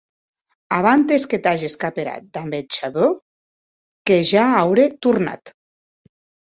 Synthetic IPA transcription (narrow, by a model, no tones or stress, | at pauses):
aβ̞ant̪esket̪aʒeskapeɾa̰t̪̚d̪ambet͡ʃaðo | keʒaawɾet̪uɾna̰t̪